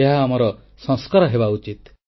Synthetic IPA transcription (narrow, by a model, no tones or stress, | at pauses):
eɦaːmɔɾɔ | sɔ̃ŋskɔɾɔɦebaut͡ʃit̪